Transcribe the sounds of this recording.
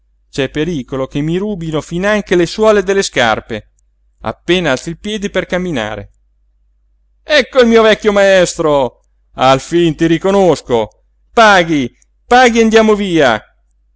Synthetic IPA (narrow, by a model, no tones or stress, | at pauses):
t͡ʃɛpːeɾiːkolokemːiɾuːbinofinaŋkeleswɔːled̪elːeska̰rpe | a̰pːeːnaalt̪silpjɛːd̪iperkamːina̰ːɾḛ | ɛkːoilmiːovɛkʲːjomaɛst̪ɾo | alfint̪iɾikonosko | paːɡi | paːɡiand̪jaːmoviːa̰